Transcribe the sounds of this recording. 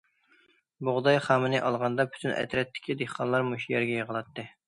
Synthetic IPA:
boʁd̪ɑjχɑːmɪnɪʔɑlˠʁɑnd̪ɑpʰy̥t̪ʰynʔɛ̰t̪ɾɛt̪ʰːɪ̥kʲʰid̪eχqɑnlˠɑɾmuʃjɛɾɡʲɛjəʁəlˠɑt̪ːɨ

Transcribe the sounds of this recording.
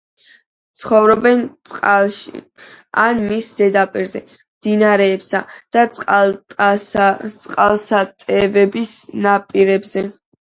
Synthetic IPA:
t̪sʰχɔvɾɔbɛnʼqʼʃ | anmisz̥ɛd̪apʼiɾzɛ | md̪inaɾɛːpsa̰d̪̥at̪sʼqʼ | t̪sʼqʼalˠsat̪ʼɛvɛbisnapʼiɾɛbzɛ

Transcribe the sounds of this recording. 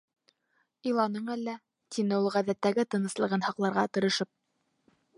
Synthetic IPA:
ilˠɑnɤɴælːæ | t̪ʲinɘulˠʁæðæt̪ːæɡɘt̪ɤ̆nɤ̆slˠɤ̆ʁɤnhɑqlˠɑɾʁɑt̪ɤ̆ɾɤ̆ʃɤp̚

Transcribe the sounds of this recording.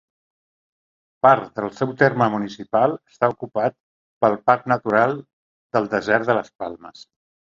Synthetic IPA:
paɾt̪ðəlˠsɛwt̪erməmunisipalˠəst̪aukupat̪̚ | pəlˠpap̚nət̪uɾalˠ | d̪əlˠd̪əzɛɾt̪ðələspalˠməs

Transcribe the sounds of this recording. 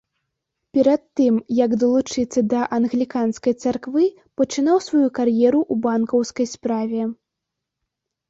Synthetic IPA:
pʲɛɾɐt̪ːɨmjɐɡd̪ɐlˠut͡ʂɨt̪sːɐd̪ɐʔɐnɣlʲikanskɐjt̪sarkvɨ | pɐt͡ʂɨn̪awsvajukarjɛɾuʔubankɐwskɐjspɾavʲɛ

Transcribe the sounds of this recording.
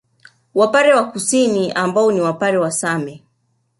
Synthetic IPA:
wapaɾɛwakusiniʔambaɔniwapaɾɛwasamɛ

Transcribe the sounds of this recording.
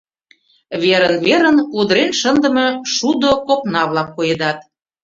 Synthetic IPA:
βeɾənβeɾənud̪əɾenʃənd̪ə̆mɤ̆ʃud̪okopnɑβlɑkːojed̪ɑt̪̚

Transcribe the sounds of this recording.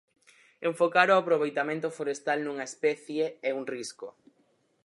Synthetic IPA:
ẽɱfokaɾoapɾoβ̞ejt̪amẽnt̪ofoɾest̪alnuŋaespɛθjeeuŋrisko̰

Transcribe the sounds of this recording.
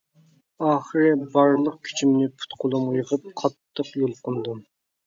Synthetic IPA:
ɑːχəɾɨbɑɾlˠəq̚kʲʰy̥t͡ʃʰimnɪpʰu̥t̪qʰʊlˠumujʁəp̚qʰɑt̪ʰːəqjolˠqʊnd̪um

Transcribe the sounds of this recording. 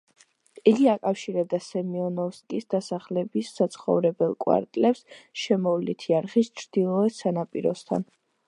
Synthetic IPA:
iɡiakʼafʃiɾɛd̪asɛmiɔnɔskʼisd̪asaχlɛbisːat̪sʰχɔ̰vɾɛbɛlˠkʼwa̰ɾt̪ʼlɛpsʃɛmɔvlit̪ʰiaɾχist͡ʃʰɾd̪̥ilˠɔɛsanapʼiɾɔ̰st̪ʰa̰n

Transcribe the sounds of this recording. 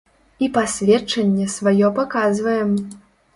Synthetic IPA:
ipasʲvʲɛt͡ʂɐnʲːɛsvajɔpakazvɐjɛm

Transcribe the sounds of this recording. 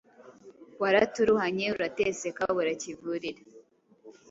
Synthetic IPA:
waɾatuɾuhaɲeuɾatesekaβaɾacivuɾiɾa

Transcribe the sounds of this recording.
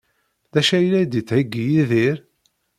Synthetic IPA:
ðæʃæjlæjd̪it͡sːʕiɡːijiðiɾ

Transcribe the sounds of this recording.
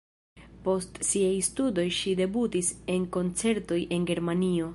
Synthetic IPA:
po̞stsiajstudo̞jʃide̞butise̞nko̞nt͡se̞ɾto̞jʔe̞nɡe̞ɾmanio̞

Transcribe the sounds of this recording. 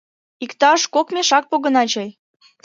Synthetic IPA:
ikt̪ɑʃkokmʲeʃɑk̚poɣə̆nɑt͡ɕɑj

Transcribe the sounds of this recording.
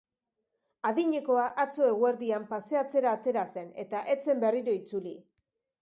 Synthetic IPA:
aðiɲe̞ko̞aʔat͡so̞e̞ɣwe̞ɾðiampase̞at͡se̞ɾaːt̪e̞ɾase̞ne̞t̪aʔe̞t͡se̞mbe̞riɾo̞it͡suli

